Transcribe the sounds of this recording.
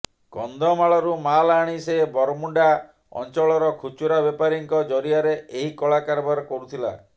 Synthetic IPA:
ɡ̥ɔnd̪ʱɔmaɭɔɾumalaɽ̃isebɔɾɔmuɳɖa | ɔ̰nt͡ʃɔɭɔɾɔkʰut͡ʃuɾabepaɾiŋkɔd͡ʒɔɾiaɾeeɦikɔɭakaɾbaɾɔkɔɾut̪ʰila̰

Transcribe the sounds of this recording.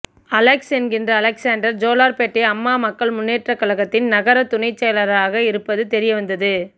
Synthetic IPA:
ɐlɛksɛnɡɪndrɐːlɛksaːnɖɐɾd͡ʒoːlaːɾpeːʈːɪɐmːaːmɐkːɐɭmʊnːeːʈrɐkːɐɭɐɣɐt̪ːɪnnɐɣɐɾɐt̪ʊɳɐɪt͡ʃːɛjɐlɐɾaːɣɐɪɾɯpːɐðɯt̪ɛɾɪjɐʋɐnd̪ɐðɯ

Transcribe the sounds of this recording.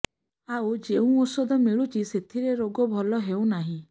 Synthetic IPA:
aud͡ʒeũosɔd̪ʱɔmiɭut͡ʃiset̪ʰiɾeɾoɡɔbʱɔlɔɦeũnaɦĩ

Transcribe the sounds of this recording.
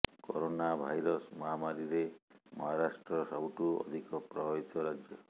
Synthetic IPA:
kɔɾonabʱajɾɔsmɔɦamaɾiɾemɔɦaɾasʈɾɔsawʈuɔ̰d̪ʱikɔpɾɔit̪ɔɾad͡ʒjɔ

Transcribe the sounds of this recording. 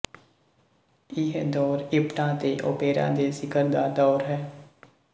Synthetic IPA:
ɪɦd̪ɔːɾɪpʈãːt̪eːʔo̰ːpeːɾã̰ːd̪eːsɪkəɾd̪aːd̪ɔːɾɦɛː

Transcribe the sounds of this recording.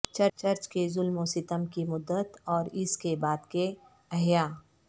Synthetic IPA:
t͡ʃɐɾt͡ʃɐɾt͡ʃkezʊlmosɪt̪əmkimʊd̪ːət̪ɔːɾɪskebaːd̪ke | ɐɦjaː

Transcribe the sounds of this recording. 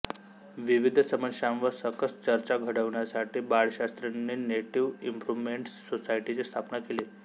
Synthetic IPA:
ʋiʋid̪ʱsəməʂãʋəɾsəkəst͡ɕəɾt͡ɕaɡʱəɽəʋɳjasaʈiːbaɭɕast̪ɾenːiːneʈiʋimpɾuʋmeɳʈsːosaiʈit͡sest̪ʰapnakele

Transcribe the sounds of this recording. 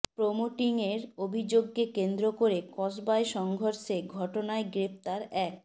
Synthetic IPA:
pɾomoʈiŋeɾobʱid͡ʑoɡ̚kekend̪ɾokoɾekɔsbaeʃɔŋɡʱoɾʃeɡʱɔʈonaeɡɾept̪aɾɛk̚

